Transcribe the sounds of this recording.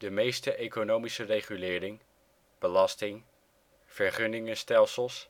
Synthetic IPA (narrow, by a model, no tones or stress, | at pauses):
dəmejstəʔejkonowmisərejχylɪːɾɪŋ | b̥əlɑstɪŋ | v̥əɹχɵnɪŋəstɛlˠsəlˠs